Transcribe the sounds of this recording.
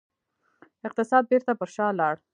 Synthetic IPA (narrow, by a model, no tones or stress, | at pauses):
ɪq̚t̪ɪsɑd̪̚beɾt̪apəɾʃɑlɑɽ